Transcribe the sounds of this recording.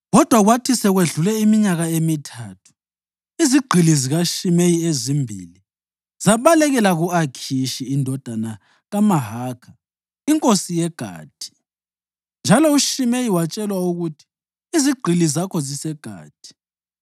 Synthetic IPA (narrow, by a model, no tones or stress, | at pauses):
ɣɔd̥ʱwaɣwatʰisɛɣweɮulɛimiɲaɣaemitʰaːtʰu̥ | iziɡ͡ǃʱiliziɣaʃimejiezimbʱḭli | zaβalɛɣɛlaɣuakʰiʃiːndʱɔd̥ʱana | ɣamaɦaːkʰa | iŋkʼosijɛɡ̥ʱa̰ːd̥ʱʼi̥ | nd͡ʒʱalɔuʃimejiwat͡ʃʼɛlwauɣutʰi̥ː | ziɡ͡ǃʱilizakʰɔzisɛɡ̥ʱa̰ːt̚ʼi̥